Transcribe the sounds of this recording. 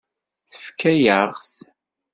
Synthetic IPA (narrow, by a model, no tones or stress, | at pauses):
θə̥fkʰːæjəʁs